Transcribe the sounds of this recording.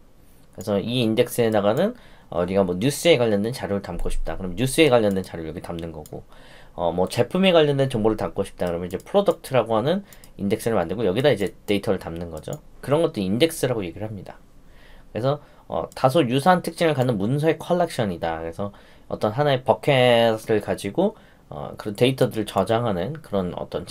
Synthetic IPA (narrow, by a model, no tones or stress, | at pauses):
kɯɾe̞sʰʌʔiːnde̞k̚s͈ɯe̞naɡanɯnʌ̰uɾiɡamwʌɲus͈ɯe̞kwaʎːʌnde̞nt͡ɕaɾjuɾɯɭtamk͈oɕʰi̥p̚t͈akɯɾʌmjʌɲjus͈ɯe̞kwaʎːʌndent͡ɕaɾjuɭjʌɡitamnɯnɡʌ̰ɡo̰ | ʌ̰mʌt͡ɕe̞pʰume̞ɡwaʎjːʌnde̞nt͡ɕʌŋboɾɯɭtam̚k͈oɕʰi̥p̚t͈akɯɾʌmjʌnid͡ʑe̞pʰɯɾodʌk̚tʰɯɾaɡoɦanɯn | inde̞k̚s͈ɯɾɯɭmandɯɭɡojʌɡidaid͡ʑe̞te̞itʰʌɾɯɭtamnɯnɡʌd͡ʑo̰kɯɾʌnɡʌt͈ɯinde̞k̚s͈ɯɾaɡoje̞ɡiɾɯɭɦamɲida | kɯɾe̞sʰʌ | ʌ̰tas̬ʰojusʰantʰɯk̚t͡ɕ͈iŋɯɭkanːɯnmuns̬ʰʌekʰʌɭːek̚ɕ͈ʌɲidakɯɾe̞sʰʌ | ʌ̰t͈ʌnɦanaepʌkʰesʰɾɯɭkad͡ʑiɡo | ʌ̰kɯɾʌnte̞itʰʌdɯɾɯɭt͡ɕʌd͡ʑaŋɦanɯnkɯɾʌnʌ̰t͈ʌn